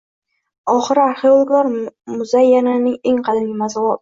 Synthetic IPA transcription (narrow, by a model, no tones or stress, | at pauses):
ɒχɨɾɪaɾχjɒlˠɡɒɾmʊzajːananɪŋeŋqʰɑd̪anɡʲɪmazɒwɒ